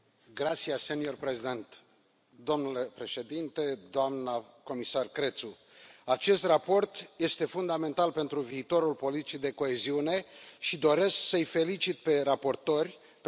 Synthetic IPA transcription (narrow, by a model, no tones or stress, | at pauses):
ɡɾat̪siasenio̞rpɾezid̪e̞nt̪ | d̪o̞mnule̞pɾe̞ʃe̞d̪int̪e̞d̪oamnə | ko̞misarkɾe̞t̪su | at͡ʃe̞st̪rapo̞rt̪je̞st̪e̞fund̪ame̞nt̪alpe̞nt̪ɾuviːt̪o̞ɾulpolit̪i̥t͡ʃid̪e̞ko̞eziune̞ʃid̪o̞ɾe̞sksəjfe̞lit͡ʃit̪̚pe̞rapo̞rt̪o̞rʲ | p